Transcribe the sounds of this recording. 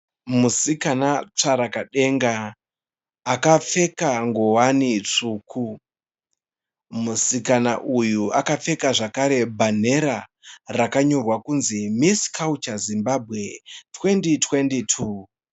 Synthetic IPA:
musikanat͡ʂaɾakaɗe̞ŋɡa | kafe̞kaŋɡo̞wanit͡ʂuːkʰu | musikana̰ʔujuakap͡fe̞kaʐakaɾe̞bʱan̤e̞ɾarakaɲo̞rwakunzimisi̥kʰaut͡ʃazimbabʱɣe̞tʰwe̞nditʰwe̞nditʰuː

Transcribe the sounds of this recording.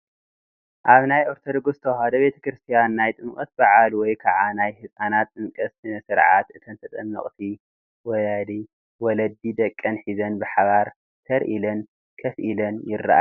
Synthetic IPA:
ʔaβnajʔoɾt̪ʰod̪oɡost̪ʰɐwhad̪ɐbe̞t̪ʰɐ̥kɾɨst̪ʰijanːajt̪ʼɨmkʼɐt̪baʕalwɔjkʰaʕanajhɨsʼanat̪ʼːɨmkʼɐsɨnɐsɨɾʕat̪ɨt̪ʰɐnt̪ʰɐt̪ʼɐnːɐ̰χʼt̪ʰi | wɔjad̪i | wɔlɐd̪ːid̪ɐkʼːɐnħizɐnbɨħaβaɾ | t̪ʰɐɾʔilɐn | kʰɐfʔilɐnjɪrːa̰ʔa̰

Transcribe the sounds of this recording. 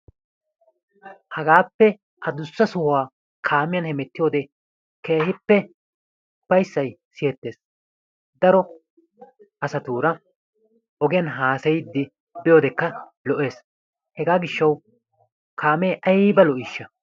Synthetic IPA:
hɐɡaːpːɛ | ʔɐd̪ʊsːɐsɔhʊaː | kʰaːmɪjɐnhɛmɛt̪ːɪjo̞ːd̪ɛ | ke̞ːhɪpːɛ | ʊpːɐjsːɐjsɪjɛt̪ːe̞ːs | d̪ɐɾɔ | ʔɐsɐt̪uːɾɐ | ʔɔɡɪjɐnɦaːsɐjɪd̪ːɪ | bɪjo̞ːd̪ɛkːɐ | lɔʔe̞ːs | hɛɡaːɡɪʃːɐw | kʰaːmeːʔɐjbɐlɔʔɪʃːɐ

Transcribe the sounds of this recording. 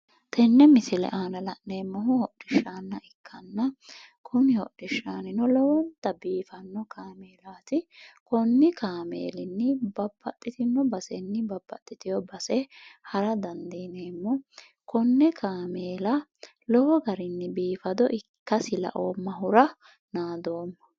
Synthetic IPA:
t̪ʰɛnːɛmɪsɪlɛ̰ʔaːnɐlɐʔneːmːɔɦʊhɔɗːɪʃːaːnːɐʔɪkʰːɐnːɐ | kʰʊnɪhɔ̰ɗɪʃːaːnɪnɔlɔwɔnt̪ːɐbiːfɐnːɔkʰaːmeːlaːt̪ɪkɔnːɪkaːmḛːlɪnːɪbɐbːɐt̪ʼːɪt̪ɪnːɔbɐsɛnːɪbɐbːɐ̰t̪ʼːɪt̪ɪjɔbɐsɛhɐɾɐd̪ɐnd̪iːneːmːɔ | kɔnːɛkaːmeːlɐ | lɔwɔɡɐɾɪnːɪbiːfɐd̪ɔʔɪkːɐsɪlɐ̰ʔoːmːɐɦʊɾɐ | naːd̪o̞ːmːɐ

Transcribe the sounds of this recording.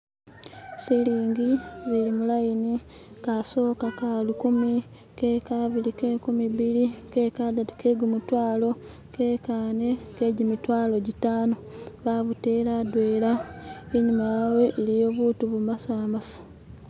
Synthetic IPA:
siliːŋɡizilimulajini | kaso̞ːkakalukumi | kekaβilikekumiβilikekadatu̥ke̞ɡumutwaːlo̞ | ke̞ːkaːne̞keɟimitwaːlo̞ɟitaːno̞βaβute̞ːladweːlaeɲumajaːwe̞ʔːlijo̞βuːtuβumasaːmasḁ

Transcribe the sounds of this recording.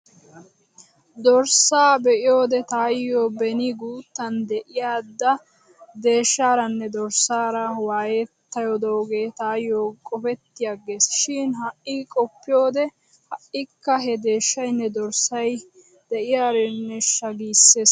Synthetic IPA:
d̪ɔɾsaːbɛʔɪjo̞ːd̪ɛt̪aːjːoːbɛnɪɡuːt̪ːɐnd̪ɛʔɪjaːd̪ːɐ | d̪e̞ːʃːaːɾɐnːɛd̪ɔɾsaːɾɐwaːjɛt̪ːɐjɔd̪ooɡe̞ːt̪aːjːoːkʼɔfɛt̪ːɪjɐɡeːsʃiːnɦɐʔiːkʼɔpːɪjo̞ːd̪ɛ | hɐʔɪkːɐɦɛd̪e̞ːʃːɐjnːɛd̪ɔɾsɐj | d̪̥ɛʔɪjaːɾɛnːɛʃɐɡiːsːeːs

